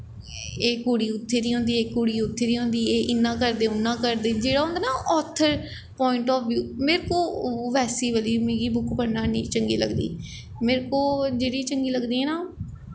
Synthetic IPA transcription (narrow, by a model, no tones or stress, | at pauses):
eːkuːɽiːʊt̪ʰːeːɾiːɦõːnd̪iːeːkuːɽiːʊt̪ʰːeːd̪iːɦõːnd̪iːeːʔɪnːãːkəɾd̪eːʊnːãːkəɾd̪eːd͡ʒeːɽaːɦõnd̪aːnaːʔɔːt̪ʰːəɾ | pɔːɪɳʈɔːfjuːmeːɾkoːʋɛːsiːʋəliːmeːɡiːbʊkʰpəɾnãːniːt͡ʃəŋɡḭːləɡd̪ḭː | meːɾkoːd͡ʒeːɽiːt͡ʃəŋɡiːləɡd̪iːɦɛ̃ːnaː